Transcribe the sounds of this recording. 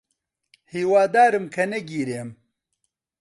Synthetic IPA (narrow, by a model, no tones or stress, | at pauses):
hiːwaːd̪aːɾɨmkʰɐnɛɡiːɾeːm